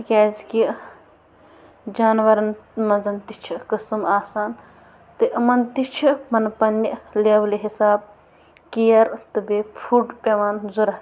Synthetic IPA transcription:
kʲaːzki | d͡ʒaːnʋɐɾɐnmɐnzɐnt̪it͡ʃʰikɐsɨmaːsaːn | t̪ɨʔmɐnt̪it͡ʃʰipɐnpɐnːileːʋliɦisaːb̚ | kijɐɾt̪ɨbepʰuːʈpʲeʋaːnzuɾɐ

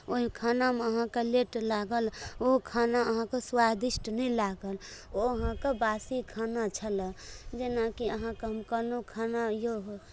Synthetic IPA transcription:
oɦikʰanameəɦãkeleʈlaɡəlokʰanaəɦãkeswad̪isʈnɛlaɡəloəɦãkebasikʰanat͡ʃʰələd͡ʒenakiəɦãkeɦəmkənokʰanajoɦ

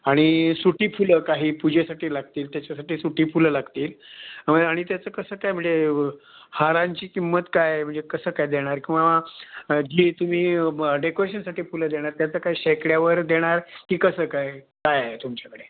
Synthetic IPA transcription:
aɽ̃isuʈiːfuləkaɦiːpud͡ʑesaʈiːlaɡt̪iːlt̪jat͡ɕasaʈiːsuʈiːfuləlaɡt̪iːləaɽ̃it̪jat͡səːkəsəːkajm̤əɳd͡ze | haɾãɲt͡ɕiːkimːət̪kajm̤əɳd͡zekəsəːkajd̪eɽ̃aɾkĩw̃ʋa | d͡ʑiːt̪um̤iːɖekoɾeɕənsaʈiːfuləd̪eɽ̃aɾt̪jat͡səːkaɦiːɕekɽjaʋəɾd̪eɽ̃aɾkiːkəsəːkaj | kajaet̪umt͡ɕakəɽe

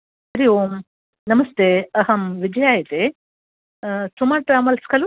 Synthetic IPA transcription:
ɐɾijoːm | nɐmɐst̪eɐɦɐmʋid͡ʒɐjaːjit̪e | sumaːɾʈɾaːmɐlskɐl

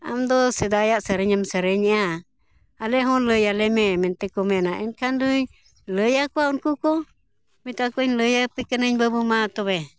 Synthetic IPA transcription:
a̰md̪ɔsəd̪ajaʔsəɾeɲamsəɾeɲa | aleɦɔləjalememɛnt̪ekomenaʔɛnkanduɲ | ləjakwaunkukɔ | mit̪akoiɲləjapəkənəɲbəbumat̪ɔβe

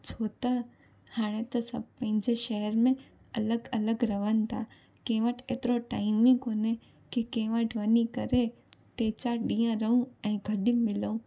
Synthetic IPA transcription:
t͡ʃʰoːt̪ə | haːɽ̃ẽt̪ɐsɐb̚pɐ̃ɦɪ̃ɲd͡ʑeʃɛɦəɾmẽ | ɐləɡɐləɡɾɐʋən̆t̪ʰa | kẽːʋəʈʰeːt̪ɪɾoʈaːɪmɪ̃koːne | kikẽːʋə̃ʈʰʋənikəɾe | ʈet͡ɕaɗĩjãɾəũɛ̃ːɡʱəɖimɪləũ

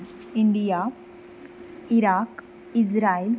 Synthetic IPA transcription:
iɳɖija | iɾak | id͡ʑɾail

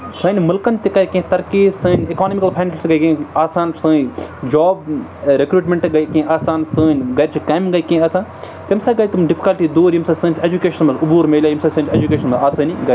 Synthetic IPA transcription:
sɨːnʲmɐlkɐnt̪ikɐjkĩt̪ɐɾkiːsɨːnʲekaːnmikɐlpʰaːnlʲsɡɐjkĩaːsaːnsɨːnd͡ʒɔːbɾekɾuːʈmʲẽɳʈɡɐjkĩʔaːsaːnsɨːnʲɡɐjɾʲt͡ʃʰikɐːmiɡɐjkĩaːsãːn | t̪ɐmsaːɡɐjt̪umɖipʰi̥kɐlʈiːd̪uːɾjimsaːsɨ̃ːnʲt͡ʃʰed͡ʒukeːʃɐnmɐlubuːɾmeːlʲaːjimsasɐ̃ːnʲt͡ʃʰeːd͡ʒukʲeːʃɐnmɐlaːsɨːnʲiɡɐ

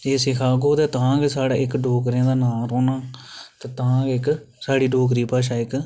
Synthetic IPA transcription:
eːsɪkʰaːɡoːt̪eːt̪ãːɡesaːɽaːɪkɖoːk̬ɾjãːd̪aːnaːɾoːnaːt̪eːt̪ãːɡɪk | saːɽiːɖoːk̬ɾiːpaːʃ̬aːɪk

